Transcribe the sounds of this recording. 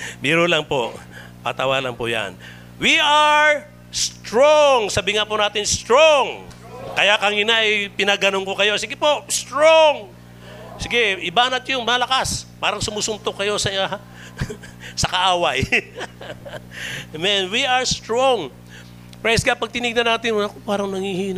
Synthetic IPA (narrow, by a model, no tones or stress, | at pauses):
miːɾolɐŋpo | pa̰t̪awalɐŋpoja̰n | wiʔaɹ | st̪ɾoŋsɐbɪŋapʊnaːt̪ɪnst̪ɾoŋ | kɐjakɐŋɪnaʔɐjpɪnɐɡɐnoŋkokɐjo̞sɪɡɪpo̞ʔst̪ɹoŋ | sɪɡɛʔɪbaːnɐt̪̚jʊŋmalɐkaspaːɾɐŋsʊmusʊmt̪okɐjo̞sɐ | sɐkɐʔaːwɐj | mɛnwiʔɐɹst̪ɹoŋ | pɹɛsɡapɐɡ̚t̪ɪniɡ̚nɐnaːt̪ɪnɐkopaːɾɐŋnɐŋhihiːn